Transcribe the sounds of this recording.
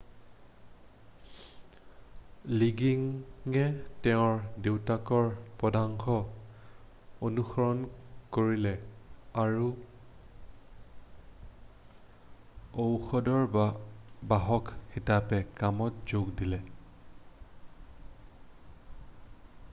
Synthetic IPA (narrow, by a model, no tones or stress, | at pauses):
liɡiŋɛtɛʊ̃ɹdewtakɔɹpɔdaŋxɔ | onuxɔɹɔnkoɹilɛaɹu | owxɔdɔɹabaɦɔkxitapɛkamɔtz̥oɡdilɛ